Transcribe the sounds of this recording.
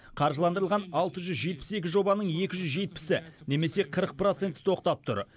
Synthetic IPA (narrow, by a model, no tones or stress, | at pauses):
qʰɑɾʒəlˠɑnd̪əɾəlˠʁɑnɑlˠt̪əʒʏzʒe̞t̪̚pɪ̥se̞kʲɪʒo̞bɑnəɴe̞kʲɪʒʏzʒe̞t̪̚pɪ̥sɪne̞me̞se̞qʰəɾəq̚pɾot̪se̞nt̪ɪ̥t̪ʰo̞qt̪ɑp̚t̪ʰʊ̰ɾ